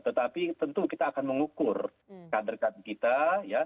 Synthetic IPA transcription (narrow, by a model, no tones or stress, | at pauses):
t̪ət̪apit̪ənt̪ukit̪aːkanməŋukʊr | kadərkankit̪aja